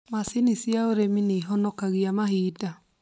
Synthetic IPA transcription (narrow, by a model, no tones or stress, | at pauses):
masinisjaoɾemineːɦɔnɔkaɣiamaɦiːda